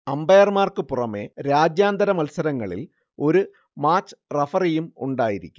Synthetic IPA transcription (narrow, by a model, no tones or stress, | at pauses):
ɐmbɐjɐrmaːrkɨpurɐmeɾaːd͡ʑjaːnd̪ɐɾɐmɐlsɐɾɐŋːɐɭḭl | o̞ɾu | maːt͡ɕːɨ̥rɐfɐrijumuɳɖaːjiɾikʲːu